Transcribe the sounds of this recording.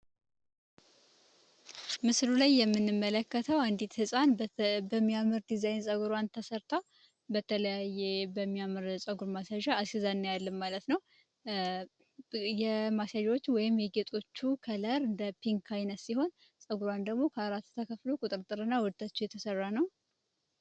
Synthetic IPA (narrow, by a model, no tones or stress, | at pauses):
mɨslulajːɛmːɨnːɨmːələkːət̪ʰəwand̪it̪hɨsʼanbəmːijamɨɾd̪izajnsʼəɡuɾwant̪ʰəsəɾt̪ʰaw | bət̪ʰələjajːebəmːijamɨɾsʼəɡuɾmasaʒaashizanːjalːɨmmalət̪nəw | jɛmasaʒawot͡ʃːwɔjɪmjɛɡet̪ʼo̞t͡ʃːukʰələɾɨnd̪əpʰiŋkʰajnət̪siho̞n | sʼəɡuɾwand̪əɡmo̞kʰəaɾat̪ːt̪ʰəkʰəflokʼut̪ʼɨɾt̪ʼɨɾɨnːawɔd̪̚t̪ʰʼat͡ʃːujɛt̪ʰəsərːanəw